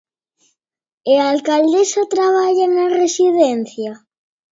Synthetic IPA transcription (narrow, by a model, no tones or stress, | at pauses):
ealkald̪esat̪ɾaβ̞aʎanaresiðen̟θja